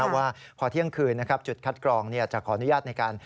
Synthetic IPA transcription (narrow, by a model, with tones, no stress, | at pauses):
waː˥˩pʰɔː˧˩t̪ʰi˥˩əŋkʰɯː˧nːa˦˥kʰa˦˥p̚t͡ɕu˨˩t̪̚kʰa˦˥t̪̚klɔː˧ŋni˥˩ɐt͡ɕa˨˩kʰɔː˩˦ʔa˧nu˦jaː˥˩t̪̚na˧jkaː˧n